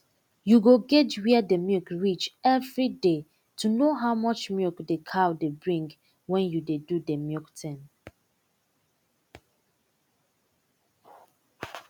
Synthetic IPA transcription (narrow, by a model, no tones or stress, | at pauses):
juɡoɡɛtwidemjikɹit͡ʃɛvɹide | tʰunoɦaʊmɔt͡ʃmjukdekʰaʊdebɹĩŋɡ | wɛ̃njudedudemjɔktʰɛ̃n